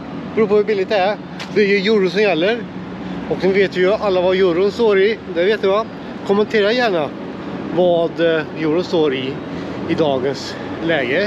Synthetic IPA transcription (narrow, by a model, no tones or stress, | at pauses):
bɾuːpʰɔvʉbɪlːɪɡ̚t̪ɛæɾ | d̪æɾjɵjuːɾəs̬ɔmjɛlːəɾ | ɔksɛnveːt̪vɪjɵalːavajuːɾʊnst̪oːɾɪd̪ɛveːt̪d̪əva | kʰɔmːənt̪ʰeːɾajæːɳa | vad̪juːɾʊnst̪oːɾɪː | d̪ɑːɡəns | lɛːɡə